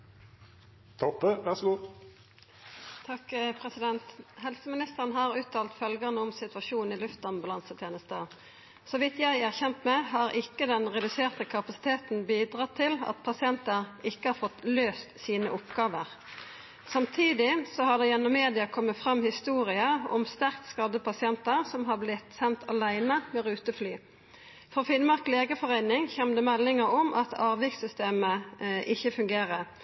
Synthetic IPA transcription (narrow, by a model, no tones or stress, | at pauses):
t̪ʰɔpːəʋæʁsɡuː | t̪ʰɑkːpʰʁɛsɪd̪ɛnt̪hɛlsəmɪnɪst̪əʁənɦɑʁʉːt̪ʰɑːlt̪fœlɡənəɔmsɪt̪ʋɑʃuːn̩ɪlʉft̪ɑmbɑlɑnsət̪ʰeːnəst̪ə | sɔʋɪt̪jæɪæʁçɛmt̪mɛɦɑʁɪkːəd̪ɛnʁɛd̪ʉseːʁt̪əkʰɑpɑsɪ̥t̪ʰeːt̪n̩biːd̪ʁɑːt̪ʰɪlɑ̰t̪pʰɑsɪɛnt̪əʁɪkːəhɑʁfɔt̪løːst̪siːnəʔʊpɡ̥ɑːʋəʁ | sɑmt̪ʰiːd̪ɪsɔhɑd̪ɛjɛnːɔmːeːd̪ɪɑkʰɔmːət̪fʁɑmhɪst̪uːʁɪəɔ̰mst̪æʁkt̪skɑd̪əpʰɑsɪɛnt̪əʁsɔmɦɑblɪt̪sɛnt̪ʰɑlæɪnəmɛʁʉːt̪əflyː | fɔfɪnmɑʁkleːɡəfɔʁæɪnɪŋçɛmd̪ɛmɛlːɪŋəɔmʔɑt̪ʰɑːʋɪksʏst̪eːməʔɪçːəfʉŋɡeːʁə